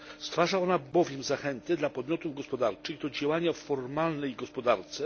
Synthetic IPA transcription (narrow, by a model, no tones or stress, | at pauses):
st̪faʐaɔnabɔvʲjɛmzaxɛnt̪ɘd̪lapɔd̪mʲjɔt̪uvɡɔspɔd̪aɾt͡ʂɘɣd̪ɔd͡ʑawaɲafɔɾmalnɛjɡɔspɔd̪aɾt̪sɛ